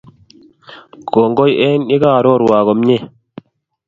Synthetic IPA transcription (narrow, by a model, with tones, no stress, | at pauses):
ɡ̥o˨ŋɡo˦je˦ni˦ɡaː˦˨ɾo˦˨ɾwaː˨ɣo˨mɲe˦